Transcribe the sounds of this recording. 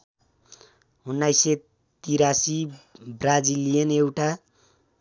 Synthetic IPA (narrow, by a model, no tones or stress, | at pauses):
unːajse | t̪iɾasibrad͡zilijʌnewʈa